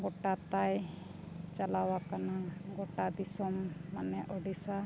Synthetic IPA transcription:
ɡɔʈat̪aj | t͡ʃalawakanaɡɔʈad̪isɔmːanɛʔɔɖisa

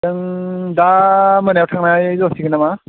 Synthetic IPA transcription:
ɯŋdamənawtʰaŋnajzɔsiɡɯnama

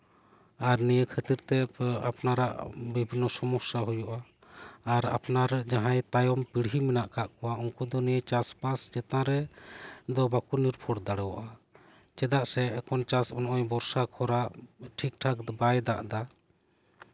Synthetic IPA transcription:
aɾnijəkʰət̪iɾt̪ɛa̰pnaɾa̰ʔbibʱinːɔsɔmɔksaɦujɔʔaː | ɾa̰pnaɾɛd͡ʒaɦãjt̪ajɔmpiɽɦimɛnaʔkaʔkɔwauŋkud̪ɔnijət͡ʃaspasd͡ʒɛt̪ãɾɛ | d̪ɔbakuniɾpʰɔɽd̪aɽɛwaʔa | t͡ʃɛd̪aʔsɛːkɔnt͡ʃasɔnɔʔɔjbɔɾsakʰɔɾaʔʈʰik̚ʈʰakd̪bajd̪aʔd̪a

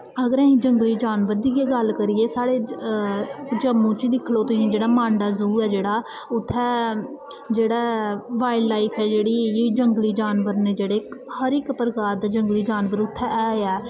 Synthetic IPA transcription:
əɡəɾɛ̃ːĩːd͡ʒəŋɡliːd͡ʒaːnʋəɾd̪iɡeːɡəlkəɾɪeːsaːɽeː | d͡ʒəmːõːt͡ʃid̪ɪkʰloːt̪ĩd͡ʒeːɽaːmãːɳɖaːzuːɛːd͡ʒeːɽaː | ʊt̪ʰːɛː | d͡ʒeːɽaːʋaːɪɖlaːiːpʰɛːd͡ʒeːɽiːd͡ʒəŋɡliːd͡ʒaːnʋəɾnẽːd͡ʒeːɽeːkhəɾɪkpəɾɡaːd̪aːd͡ʒəŋɡliːd͡ʒaːnʋəɾʊt̪ʰːɛːɛːɛː

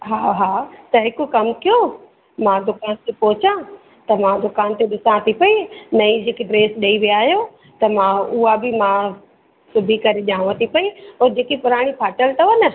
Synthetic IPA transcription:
ɦaːɦaːt̪ɐɦɪkʊkɐmkijo | mãd̪ʊkaːnt̪epɔɦɪt͡ɕã | t̪ɐmãd̪ʊkaːnt̪eɗɪsãt̪ʰipɐinɐid͡ʑeːkiɖɾeːsɗɐiʋijaːɦijo | t̪ɐmãʊabɪmã | sʊbʱikɐɾeʄãːɽ̃ʋə̃t̪ʰipɐioːɾd͡ʑeːkipʊɾaːɽ̃ipʰaːʈəlt̪ɐʋɐnə

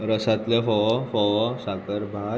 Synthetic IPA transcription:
ɾəsat̪lefɔfɔsakəɾbʱa

